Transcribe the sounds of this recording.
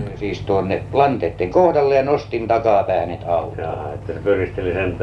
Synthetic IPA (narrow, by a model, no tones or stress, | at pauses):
siːst̪uonːelɑnt̪eːt̪ːeŋkohdɑlːejɑnost̪int̪ɑkɑːpæːnet̪ɑlːjɑɑet̪ːæsepyrˑist̪elisent̪